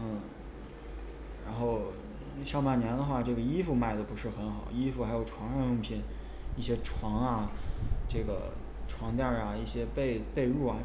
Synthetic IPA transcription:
n̩˥˩ | ɻa˧˥nxo˥˩˧ʊ | ɕjɑ˥˧ʊpa˥˩njɛ˧˥nd̪ə˧xwa˥˧ʈ͡ʂɤ˥˩ɡə˩i˥fu˧˩ma˥˩ɪd̪ə˩pu˧˥ʂɻ̩˥˩xə˧˥nxɑ˨˩˦ʊi˥fu˧˩xa˧˥ɪjo˨˩ʊʈ͡ʂʰwɑ˧˥ŋɻa˥nʊ˥˧ŋpʰi˥˩n | i˥˩ɕjɛ˥ʈ͡ʂʰwɑ˧˥ŋɐ˧ʈ͡ʂɤ˥˩ɡə̰˩ | ʈ͡ʂʰwɑ˧˥ŋt̪jɑ˥˩ɐ˩i˥˩ɕjɛ˥pe˥˧ɪpe˥˧ɪɻu˥˩ɐ˩

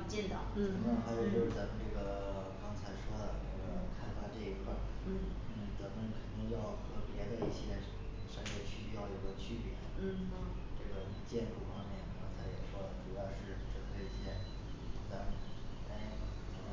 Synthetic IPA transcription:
t͡ɕjɛ˥˩nt̪ɑ˥˩t͡sa˧˥mə˧˥nxa˧˥ɪjo˨˧ʊt͡ɕjo˥˧ʊʂɻ̩˥˩t͡sa˧˥mə˧nʈ͡ʂɤ˥˩ɡə˩ | kɑ˥ŋt͡sʰa˧˥ɪʂwɔ˥d̪ə˨˩nə˥˩ɡə˩kʰa˥˩nfa˨˩ʈ͡ʂɤ˥˩i˧˥kʰwa˥˩ɪ˥˩n̩˥˩t͡sa˧˥nmə˧nkʰə˨˩t̪i˥˧ŋjɑ˥˩ʊxɤ˧˥pjɛ˧˥d̪ə˧ḭ˥˩ɕjɛ˧˥ | ʂɑ˥˧ŋɛ˥˩ɕʰy˥jɑ˥˩ʊjo˨˩ɪɡə˧˦t͡ɕʰy˥˩pjɛ̰˧˥˩ | ʈ͡ʂɤ˥˩ɡə˩ | t͡ɕjɛ˥˧nʈ͡ʂu˥˩fɑ˥ŋmjɛ˥˩nkɑ˥ŋt͡sʰa˧˥ɪjɛ˨˩ʂwɔ˥˩ʈ͡ʂu˧˥pɑ˥˧ʊʂɻ̩˥˧ʈ͡ʂɤ˥˩kʰɤ˧˥i˨˩t͡ɕjɛ˥˩n˨˩˧t̪a˥˩t̪a˥˧˥

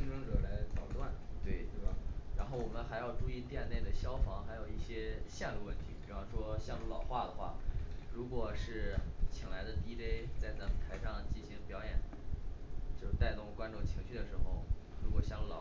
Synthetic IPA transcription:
i˥ŋʈ͡ʂɤ˥ŋʈ͡ʂɤ˨˩la˧˥ɪt͡sɑ˨˩ʊt̪wa˥˩nt̪we˥˩ɪt̪we˥˩ba˨˩ɻa˧˥nxo˥˩wɔ˨˩mə˦nxa˧˥ɪjɑ˥˩ʊʈ͡ʂu˥˧i˥˧t̪jɛ˥˧nne˥˩ɪd̪ə˩ɕjɑ˥ʊfɑ˧˥ŋxa˧˥ɪjo˨˩ʊi˥˩ɕjɛ˥ɕjɛ˥˧nlu˥˧wə˥˩nt̪ʰi˧˥pwɑ˥˩ʂwɔ˥ɕjɑ˥˧ŋlu˥˩lɑ˨˩ʊxwa˥˩d̪ə˩xwa̰˥˩ɻu˧˥kwɔ˨˩ʂɻ̩˥˩t͡ɕʰi˨˩ŋla˧˥ɪd̪ə˧t̪i˥te˥ɪt͡sa˥˩ɪt͡sa˧˥˩pt̪ʰa˧˥ɪʂɑ˥˧ŋt͡ɕi˥˩nɕi˧˥ŋpjɑ˧˥ʊjɛ˨˩˦n | t͡ɕo˥˧ʊt̪a˥˧ɪt̪ʊ˥˩ŋ˩kwa˥nʈ͡ʂʊ˥˩ŋt͡ɕʰi˧˥ŋɕy˥˩d̪ə˩ʂɻ̩˧˥xo˥˧ʊɻu˧˥kwɔ˨˩ɕjɑ˥˧ŋlu˥˩lɑ̰˨˩

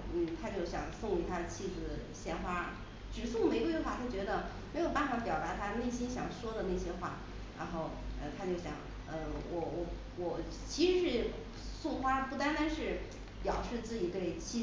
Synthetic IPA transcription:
n̩˥˩t̪ʰa˥t͡ɕjo˥˩ʊɕjɑ̰˨˩ŋsʊ˥˩ŋy˧˥t̪ʰa˥d̪ə˨t͡ɕʰi˥˧t͡s̩˥˩d̪ə˩ɕjɛ˥nxwa˥ | ʈ͡ʂɻ̩˨˩sʊ˥˩ŋm̩e˧˥kxwa˥˩t͡ɕ̪ʰjo˥˩ʊt͡ɕɥɛ˧˥d̪ə˧ | me˧˥ɪjo˨ʊpa˥˩nfɑ˧˥˩pjɑ˨˩ʊt̪a˧˥t̪ʰa˥ne˥˩ɪɕi˥nɕjɑ˨˩ŋʂwɔ˥d̪ə˨ne˥˩ɪɕjɛ˥xwa̰˥˩ | ɻa̰˧˥nxo˥˩ʊə̰˧t̪ʰa˥t͡ɕjo˥˩ʊɕjɑ̰˨˩˦ŋ | ə˧wɔ˨˩wɔ˧˩ | wɔ˨˩ | t͡ɕʰi˧˥ʂɻ̩˧˥ʂɻ̩˧˥ | sʊ˥˩ŋxwa˥pu˥˩t̪a˥nt̪a˥nʂɻ̩˥˩ | pjɑ˨˩ʊʂɻ̩˥˧t͡sɹ̩˥˩t͡ɕi˨˩t̪e˥˩ɪt͡ɕʰi˥

